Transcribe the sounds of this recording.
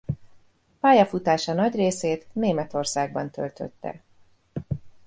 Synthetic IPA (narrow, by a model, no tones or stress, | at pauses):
paːjɒfut̪aːʃɒnɒɟreːseːt̪neːmɛt̪o̞rsaːɡ̚bɒnt̪ø̰lt̪ø̰t̪ːɛ̰